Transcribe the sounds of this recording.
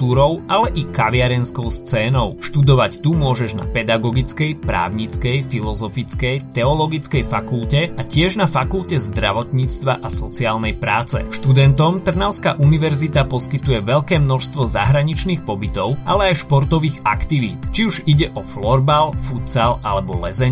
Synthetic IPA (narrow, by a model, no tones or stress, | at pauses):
t̪uːɾɔʊʔalɛʔikaʋɪaɾɛnskɔʊst͡sɛːnɔʊʃt̪ud̪ɔʋact̪umʊɔʒɛʒna̰pɛd̪aɡɔɡit͡skɛjpɾa̰ːʊɲit͡skɛjfilɔzɔfit͡skɛjt̪ɛɔlɔɡit͡skɛjfakulcɛacɪɛʒnafakulcɛzd̪ɾa̰ʋɔt̪ɲiːt͡st̪ʋaʔasɔt͡siaːlnɛjpɾaːt͡sɛ̰ʃt̪ud̪ɛnt̪ɔmt̪r̩naʊskaʔuniʋɛɾzit̪apɔskit̪ujɛʋɛʎkɛːmnɔʃst̪ʋɔza̰ɦɾaɲit͡ʃniːxpɔbit̪ɔʊʔalɛajʃpɔɾt̪ɔʋiːɣa̰kt̪iʋḭːt̪t͡ʃiuʒiɟɛʔɔflɔɾbalfut͡salʔalɛbɔlɛzɛɲ